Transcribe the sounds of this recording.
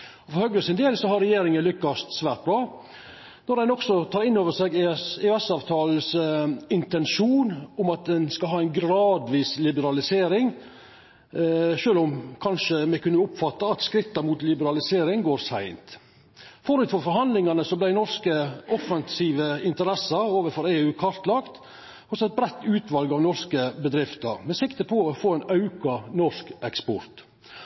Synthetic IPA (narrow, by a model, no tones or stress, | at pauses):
ɔfɔɾhœɡ̪əsɪnd̪eːlsɔhɑɾɛjeːɾɪŋənlʏkːɑst̪sʋæːɾʈ̪̚bɾɑː | nɔɾdɛnɔksɔt̪ʰɑːɾɪnːoːʋəʂɛɡɛɛsɑːʋt̪ʰɑːl̩sɪnt̪ɛnʂuːnʊmɑt̪̚d̪ɛnskɑlɦɑːæɪnɡɾɑːd̪ʋiːslɪbəɾɑlɪseːɾɪŋ | ʂøːlʊmkʰɑnʂəmɛkʉnːəʊpfɑt̪ːɑɑt̪skɾɪt̪ːɑmuːt̪lɪbəɾɑlɪseːɾɪŋɡoːɾsæɪnt̪ | fɔɾʉːt̪fɔɾfɔɾɦɑnd̪lɪŋɑnəsɔblæɪnɔɾskəʔɔfɑnsiːʋəɪnt̪əɾɛsɑɾoːʋəɾfɔɾeːʉːkʰɑɾt̪lɑkt̪ | hɔsɔɛt̪̚bɾɛt̪ːʉːt̪ʋɑlɡɑʋnɔɾskəbəd̪ɾɪft̪əɾmɛsɪkt̪əpʰɔɔfoːæɪnɑʉkɑnɔʂkɛkspɔɾt̪